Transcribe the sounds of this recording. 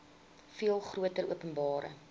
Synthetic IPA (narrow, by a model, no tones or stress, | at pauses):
fiəlˠχruətəɾuəpənbɑːɾə̰